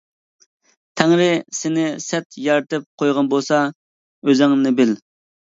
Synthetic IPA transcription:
t̪ʰɛŋɾɪsɪnɪsɛt̪jɑɾt̪ɨp̚qʰojʁɑnbolˠsɑ | øzɪŋnɪbɪl

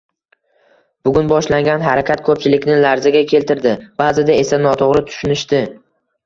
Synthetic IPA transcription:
b̥ʊɡʲʊnbɒʃlaŋɡʲanɦaɾakʲʰat̪̚kʰɵp̚t͡ʃʰɪlɪkʲnɪlaɾzɪɡʲakʲʰe̞lt̪ɪɾd̪ɪb̥aːzɪd̪ae̞sanɒt̪ʰoʁɾɪt̪ʰʊ̥ʃʊnɪʃt̪ɪ

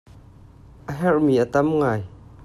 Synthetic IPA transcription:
ʔəɦɛrmiːʔət̪ɐmŋaːj

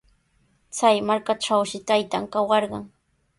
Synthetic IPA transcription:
t͡sajmaɾkaʈ͡ʂawʃɪt̪ajt̪aŋkawɑɾɢɑŋ

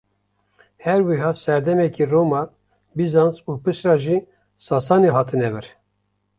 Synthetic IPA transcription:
hɛɾwiɦɑːsɛɾd̪ɛmɛkiroːmɑː | bizɑnsuːpɨʃɾɑːʒiː | sɑːsɑːneɦɑːt̪ʰɨnɛvɨɾ

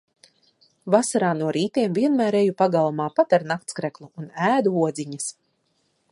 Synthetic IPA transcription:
vasaɾaːnuɔɾiːt̪iɛmviɛnmæːɾɛjupaɡalˠumaːpat̪aɾnak̚t̪skɾɛklˠuʔunæːd̪uuɔd̪zʲiɲɐs

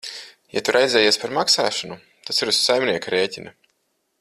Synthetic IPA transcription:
ja̰t̪uɾʔajd̪zʲɛːjiːsʲpaɾmaksa̰ːʃɔnu | t̪asiɾussajmnʲiɛkaɾeːcʲina

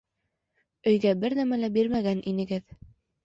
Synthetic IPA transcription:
ɵ̆jɡæbɘɾnæmælæbiɾmæɡænʔinɘ̆ɡɘð

